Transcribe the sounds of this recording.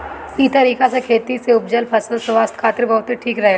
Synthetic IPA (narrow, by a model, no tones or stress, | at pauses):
it̪ɐɾiːkasekʰeːt̪iseʊpd͡ʒəlpʰɐsəlsʋaːst̪kʰaːt̪ɪɾbɐɦʊt̪iʈʰiːkɾɐɦe